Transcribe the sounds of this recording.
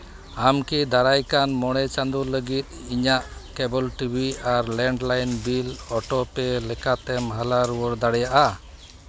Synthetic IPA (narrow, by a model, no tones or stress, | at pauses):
amkid̪aɾajkanmɔɽ̃ɛt͡ʃand̪uləɡit̪̚iɲaʔkɛbɔlʈibʱiaɾlɛɳɖlajnbilɔʈɔpɛlɛkat̪ɛmɦalaɾuwɔɾd̪aɽɛjaʔa